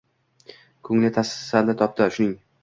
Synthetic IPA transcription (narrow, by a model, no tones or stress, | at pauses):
kʰɵŋlɪt̪ʰassald̪at̪ʰɒp̚t̪ɪʃʊnɪŋ